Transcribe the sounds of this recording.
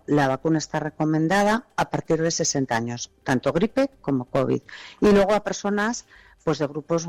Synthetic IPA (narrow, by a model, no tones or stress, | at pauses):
laβ̞akunae̞st̪are̞ko̞mẽ̞nd̪að̞aːpaɾt̪iɾð̞e̞se̞se̞nt̪aaɲo̞st̪ant̪o̞ɣɾipe̞ko̞mo̞ko̞β̞ḭðilwe̞ɣ̞oape̞ɾso̞nas | pwe̞zðe̞ɣ̞ɾupo̞z